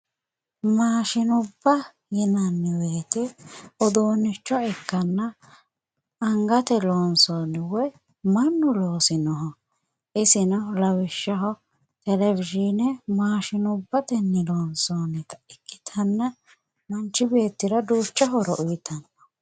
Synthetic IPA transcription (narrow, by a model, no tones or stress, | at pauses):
maːʃɪnʊbːɐ | jɪnɐnːɪweːt̪ɛɔd̪oːnɪt͡ʃːɔɛkːɐnːɐ | ɐŋɡɐt̪ɛloːnsoːnɪwɔj | mɐnːʊlo̞ːsɪnɔɦɔ | ʔɪsɪnɔlɐwɪʃːɐɦɔ | t̪ɛlɛvɪʒinɛmaːʃɪnʊbːɐt̪ɛnːɪloːnsoːnɛt̪ɐ̥ɪkʼːɪt̪ʰɐnːɐ | mɐnt͡ʃːɪbe̞ːt̪ːɪɾɐd̪uːt͡ʃːɐɦɔɾɔʔʊjɪt̪ʰɐnːɔ̥